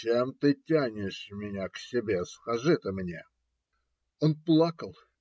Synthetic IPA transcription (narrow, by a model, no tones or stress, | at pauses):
t͡ɕemt̪ɨtʲanʲɪʂmʲɪnʲaksʲɪbʲe̞skaʐɨt̪əmnʲe | onplˠakəlˠ